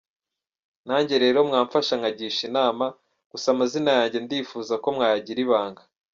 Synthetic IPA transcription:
naːɲɟeɾe̞ɾomŋaːɱfaʃaŋɡaɟiːʃinaːma | ɡ̥usamazinajaːɲɟe̞ndiːfuːzako̞mŋaːjaɟiɾiβaːŋɡa

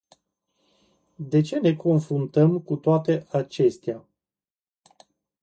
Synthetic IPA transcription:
d̪e̞t͡ʃe̞ne̞ko̞nfɾunt̪əmkut̪oat̪e̞ʔat͡ʃe̞st̪ea

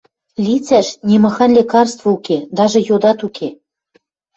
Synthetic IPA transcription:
lʲit͡sæʃnʲemɤ̆xɑnlʲekɑrst̪vouked̪ɑʒɤ̆jod̪ɑt̪ukʰe

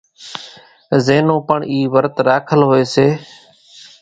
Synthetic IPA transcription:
zeːnõːpəɳiːʋəɾt̪ɾaːkʰəlɦoːeːseː

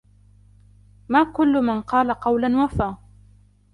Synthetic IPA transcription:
maːkʊlːʊmanqɑːlaqɑwlanwafaː

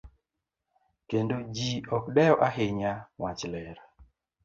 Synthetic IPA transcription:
kendod͡ʒiɔkɗɛɔʔaɦɪɲawat͡ʃlɛɾa

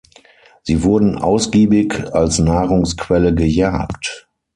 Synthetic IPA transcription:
z̥iːvʊɐdn̩ʔa̰ʊsɡ̥iːbɪkalsnaːʁʊŋskʰv̥ɛləɡəjaːkt

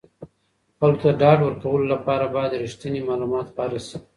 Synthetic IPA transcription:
palot̪aɖɑɖwəɾkawəlolapɑɾabɑjad̪ɾiʂt̪ənimɑlumɑt̪pɑɾasi

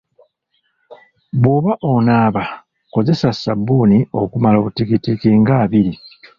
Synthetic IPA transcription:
βoːβaʔonaːβa | ko̞ze̞sasabuːnio̞̰kumalaβutikitikiŋɡaːβiɾi

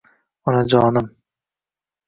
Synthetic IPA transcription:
ɔnad͡ʒɒːnɪm

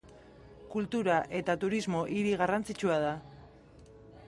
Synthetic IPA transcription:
kult̪uɾaʔe̞t̪at̪uɾizmo̞ʔiɾiɣarant͡sit͡ʃuað̞a

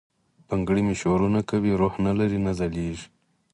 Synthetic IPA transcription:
paŋɡɽimiʃoɾunakawiɾohnalaɾinazaliʐi

